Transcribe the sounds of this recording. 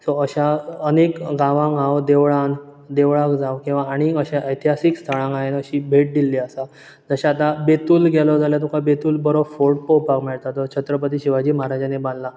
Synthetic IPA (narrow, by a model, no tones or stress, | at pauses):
sɔəɕaənekɡaʋãŋɡawd̪eʋɭãn | d̪eʋɭãkd͡zawkĩw̃ʋaːɽ̃iəɕaʔəjt̪ʰiɦasikst̪ʰəɽãŋɡaɦenəɕiːbʱeʈ̚d̪ilːiəsa | d͡zəɕaːt̪abet̪uːlɡɛlɔd͡zaljat̪ukʰabet̪uːlbəɾobfoɾʈpowpakmeɭt̪at̪ɔt͡ɕʰət̪ɾəp̬ət̪̬iːɕiʋad͡ʑiːməɦaɾad͡ʑanebãnd̪la